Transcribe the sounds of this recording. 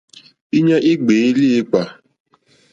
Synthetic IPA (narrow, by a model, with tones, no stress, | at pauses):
i˦ɲe˦ʔi˦ɡ͡be˨i˦li˦i˦k͡pʷa˨